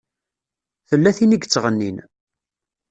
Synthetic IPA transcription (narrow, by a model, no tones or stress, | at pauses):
θəlːæθiniɡt͡sːʁənːin